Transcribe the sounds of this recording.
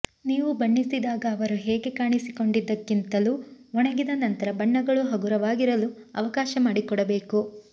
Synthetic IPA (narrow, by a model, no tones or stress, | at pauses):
niːʋubɐɳːisid̪aːɡɐːʋɐɾuɦeːɡe̞kaːɳisiko̞ɳɖid̪ːɐkːint̪ɐluɔɳɐɡid̪ɐnɐnt̪ɐɾɐbɐɳːɐɡɐɭuɦɐɡuɾɐʋaːɡiɾɐluɐ̰ʋɐkaːʃɐmaːɽikɔɽɐbe̞ːku